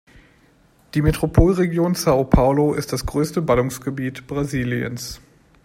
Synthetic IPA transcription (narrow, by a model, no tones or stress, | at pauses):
d̥iːmetʁ̥opʰoːlʁeɡjoːnsaopʰaʊloʔɪstd̥asɡ̥ʁøːstəbalʊŋsɡ̥əbiːtb̥ʁaziːliə̰ns